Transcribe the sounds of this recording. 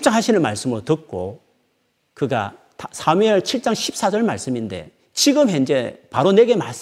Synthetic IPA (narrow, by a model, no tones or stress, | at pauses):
p̚t͡ɕ͈aŋɦaɕʰinɯnmaɭs͈ɯmɯɾotɯt̚k͈o | kɯɡa̰ | tsʰameɭt͡ɕʰiɭt͡ɕ͈aŋɕʰi̥p̚s͈ad͡ʑʌɭmaɭs͈ɯminde̞̰ | t͡ɕiɡɯmɦend͡ʑe̞paɾone̞ɡe̞mas͈